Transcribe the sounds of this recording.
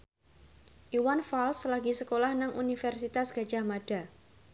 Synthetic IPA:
ʔiwanfalslaɡisəkolahnaŋʔunifɛrsit̪asɡ̥a̤̥d͡ʒamad̥a

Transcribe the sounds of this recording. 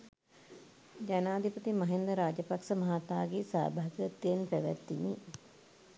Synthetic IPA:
d͡ʒanaːd̪ʱipət̪imɐɦend̪əɾaːd͡ʒəpaksəmɐɦat̪aːɡesa̰ːbaɦɐɡət̪ːijenpæʋæ̰t̪ːini

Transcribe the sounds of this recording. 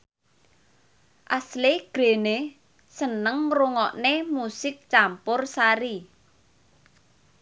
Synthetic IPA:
ʔasleɡ̥ɾe̤ne | sənəŋruŋɔʔnemusɪk̚t͡ʃampʊrsaɾi

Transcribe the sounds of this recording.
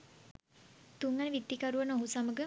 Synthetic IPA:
t̪uŋɡanəʋid̪ːikaɾuʋənoɦusaməɡə

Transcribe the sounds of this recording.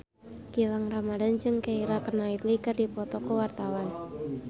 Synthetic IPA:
kilaŋramadand͡ʒɨŋkeiɾakənait̪likɨrdipɔt̪ɔkəwart̪awan

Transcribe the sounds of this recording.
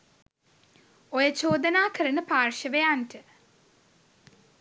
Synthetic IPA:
ojət͡ʃoːd̪ɐnaːkəɾənəpaːrʃəʋejanʈə

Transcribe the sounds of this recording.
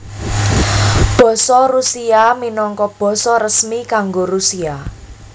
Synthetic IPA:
b̥ɔ̤sɔrusiaminɔŋkɔb̥ɔ̤sɔɾəsmikaŋɡoɾusia

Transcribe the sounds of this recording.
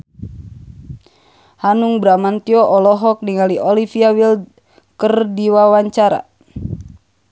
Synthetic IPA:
hanuŋbɾamant̪iɔʔɔlɔɦɔk̚niŋaliʔɔlifiawil | kərdiwawaɲt͡ʃaɾa̰

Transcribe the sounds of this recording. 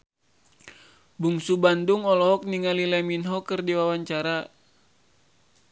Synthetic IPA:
buŋsubanduŋɔlɔɦɔk̚niŋalilɛminɦɔkɨrdiwawaɲt͡ʃaɾa

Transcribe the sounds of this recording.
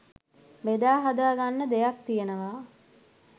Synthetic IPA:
ʋed̪aːɦad̪aːɡanːəd̪ejak̚t̪ijenəʋaː

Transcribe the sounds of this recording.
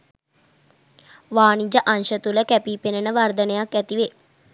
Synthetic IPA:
ʋaːnid͡ʒəʔanʃət̪uləkæpipenənəʋard̪ənejakːæt̪iʋe

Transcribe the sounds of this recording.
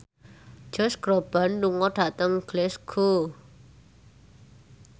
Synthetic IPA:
d͡ʒ̥ɔ̤sɡ̥ɾob̥a̤nːuŋɔɖ̥a̤t̪əŋɡ̥lɛsɡ̥o

